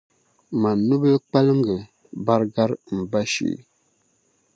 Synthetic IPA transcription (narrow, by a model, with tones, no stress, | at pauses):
ma˨nu˦bə˦lk͡pa˦lə˦ŋ˦ɡə˨ | ba˦ɾɡa˦ɾm̩˨ba˦ʃḭ˨